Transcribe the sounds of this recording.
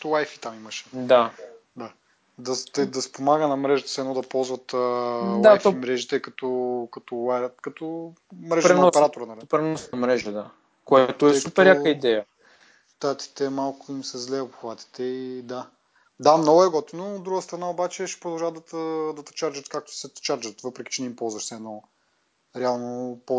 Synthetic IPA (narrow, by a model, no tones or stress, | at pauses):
t̪lˠajfi̥t̪amimɐʃɛ̥d̪ad̪a | d̪ɐt̪d̪ɐspomaɡənɐmɾɛʒət̪ə̥sɛnɔd̪ɐpɔlˠzvət̪əlajtfɔimɾɛʒit̪ɛkɐt̪ɔkɐt̪ɔlakɐt̪ɔ | mɾɛʒɾɛɔpɛɾat̪oɾənɐlipɾɛnɔsnɐmɾɛʒəd̪a | koɛt̪ʊɛsup̪ɛɾjakəid̪ɛjə | t̪at̪i̥t̪ɛmalˠkʊimsɛzlɛpxvat̪i̥t̪ɛid̪a | d̪amnɔɡʊɛɡɔt̪inoːd̪ɾuɡəst̪ɾɐnaobat͡ʃɛʃɛ̥pɾʊd̪ɐlˠʒavd̪ɐt̪əd̪ɐt̪ɐ̥t͡ʃaɾd͡ʒət̪kak̚t̪ʊ̥sɛt̪t͡ʃaɾd͡ʒət̪vɤpɾɛki̥t͡ʃɛnɛimpɔlˠzvɐʃsɛːnɔ | ɾɛalˠnopɔ